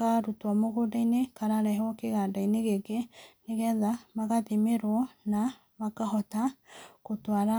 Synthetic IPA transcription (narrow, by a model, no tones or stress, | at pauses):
aɾutwamoɣodainekaɾaɾɛɦɔkeɣadaineɣeɡeneɣɛðamaɣatimeɾwɔna | makaɦɔtakotwaɾa